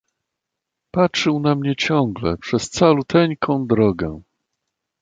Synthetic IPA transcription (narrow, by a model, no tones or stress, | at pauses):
patʂɘwnamɲɛt͡ɕɔ̃ŋɡlɛ̰pʂɛst̪salut̪ʰɛɲkʰɔ̃w̃d̪ɾɔɡɛ̰